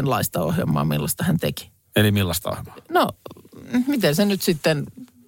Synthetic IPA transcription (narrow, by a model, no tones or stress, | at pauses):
nlɑist̪ɑo̰hjɑ̰mˑːɑ̰ːmilːɑst̪ɑhænt̪ḛki̥ | elimilːɑst̪ɑo̰hjmɑ̥no | mit̪ensenyt̪sit̪ːen